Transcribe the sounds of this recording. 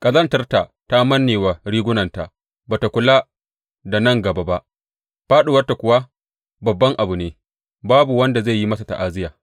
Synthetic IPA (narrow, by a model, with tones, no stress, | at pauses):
kʼɐ˨zɐ˦ntɐ˦rta˨ta˦mɐ˦nːeː˨wa˨ɽiː˦ɡʷʊ˦nɐ˨nta˨ | baː˨ta˨kʷʊ˦la˦ | da˨nɐ˦˨ŋɡɐ˨ba˦ba˦ʔ | ɸaː˦ɗu˨wɐ˦rta˨kʷʊ˨wa˦ | bɐ˨bːɐ˦ŋʔa˨bu˨neː˦ | baː˦bu˨wɐ˦nda˨za˦˨ji˦mɐ˦sa˨ta̰˨ʔa˦zɪ˦jaː˨